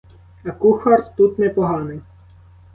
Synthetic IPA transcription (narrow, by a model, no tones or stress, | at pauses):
ɐkuxɐrt̪t̪ut̪nɛpɔɦɑnɪj